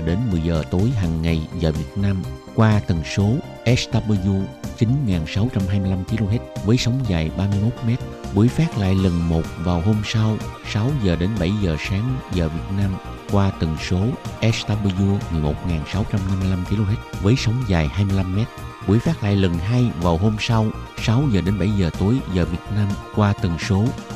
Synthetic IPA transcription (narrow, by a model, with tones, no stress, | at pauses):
ɗe˨˦nmɨ˨˩əjzəː˨˩t̪o˨˦jɦaː˨˩ŋːa˨˩jzaː˨˩vi˨˩ət̚naː˧mkwaː˧t̪ə˨˩ŋso˨˦ | ʔɛ˦˥st̪aː˧ɓə˧zu˧t͡ɕi˨˦nŋaː˨˩nsa˨˦wt͡ɕa˧mɦaː˧jmɨ˧jla˧mki˧lo˧ɦɛ˦˥t̚vəː˨˦jsə˨˦wŋ͡mzaː˨˩jɓaː˧mɨ˧əjmo˦˥t̚mɛ˦˥t̚ɓu˨˩˦əjfaː˦˥t̚la̰ː˧˨jlə˨˩nmo˨˩t̚vaː˨˩wɦo˧msa˧wsa˨˦wzəː˨˩ɗe˨˦nɓa˧˩jzəː˨˩saː˨˦ŋzəː˨˩vi˨˩ət̚naː˧m | kwaː˧t̪ə˨˩ŋso˨˦ʔɛ˦˥st̪aː˧ɓə˧zu˧mɨ˨˩əjmo˨˩t̚ŋaː˨˩nsa˨˦wt͡ɕa˧mna˧mːɨ˧jla˧mki˧lo˧ɦɛ˦˥t̚vəː˨˦jsə˨˦wŋ͡mzaː˨˩jhaː˧jmɨ˧jla˧mːɛ˦˥t̚ɓu˨˦əjfaː˦˥k̚la̰ː˧˨jlə˨˩nɦaː˧jvaː˨˩wɦo˧msa˧wsa˨˦wzəː˨˩ɗe˨˦nɓa̰˧˩jzəː˨˩t̪o˨˦jzəː˨˩vi˨˩ət̚naː˧mkwaː˧t̪ə˨˩ŋso˨˦